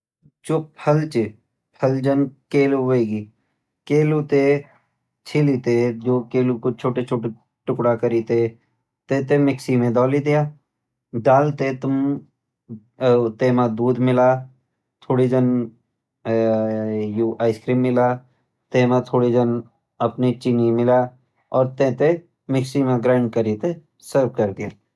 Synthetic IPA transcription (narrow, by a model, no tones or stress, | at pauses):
t͡ʃopʰəlt͡ʃɪ | pʰəld͡ʒənkeːluʋeːɡi | keːluːt̪e | t͡ʃʰilit̪ed͡ʒoːkeːlukʊt͡ʃʰoːʈet͡ʃʰoːʈe | ʈʊkɽakəɾiːt̪e | t̪et̪emɪksimẽd̪ɔːlid̪ɪjaː | ɖaːlt̪et̪ʊm | t̪eːmãd̪uːd̪mɪla | t̪ʰoːɽid͡ʒən | juːʔaːɪskɾiːmːɪlaː | t̪emãt̪ʰoːɽid͡ʒən | əpnit͡ʃɪnimɪlaː | ɔːɾt̪ẽt̪e | mɪksimẽɡɾaːɳɖ̚kəɾit̪e | səɾb̚kəɾd̪ɪjaː